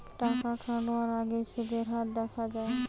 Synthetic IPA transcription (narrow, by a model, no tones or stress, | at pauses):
ʈakakʰãɖɔaɾaɡet͡ʃʰeɡ̪eɾɦat̪̚d̪ɛkʰad͡ʒae